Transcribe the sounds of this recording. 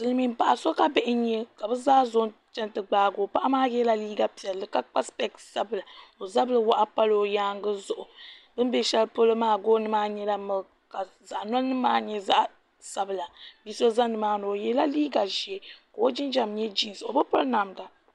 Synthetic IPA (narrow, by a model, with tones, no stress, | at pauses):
sɨ˨lɨ˦mi˦m̩˦pa˨ʔa˨so˦ka˦bɛ˦˨ʔɪ˦ɲɛ˦ka˨bɨ˦zaː˦zo˦nt͡ʃɛ˦ntɨ˦ɡ͡baː˦ɡoː˨˦pa˦ʔa˦maː˦jɛ˦la˦liː˦ɡa˨pi˨ɛ˨lːɨ˨ka˦k͡pa˦spɛ˦ksa˦bɨ˨la˨o˨za˦blɨ˦wa˦ʔa˦pa˦lo˦jaː˦ŋ˦ɡɨ˦zʊ˦ʔʊ˨bɨ˦m˦bɛ˦ʃɛ˦lpo˦lɨ˦maː˦˨ɡoː˦nɨ˦maː˦ɲɛ˦la˦mɨ˦ɡ | ka˨ | za˨ʔnɔ˦nɨ˦maː˦ɲɛ˦za̰˦ʔ | sa˨bɨ˨la˨bi˦so˦za˦nːɨ˨maː˦no˨o˨jɛ˦la˦liː˦ɡa˨ʒi˨ɛ˨ka˨o˦d͡ʒɪ˦n˦d͡ʒa˦˨mɲɛ˦d͡ʒi˦n˨so˨bɨ˦pʊ˦lna˨mda˨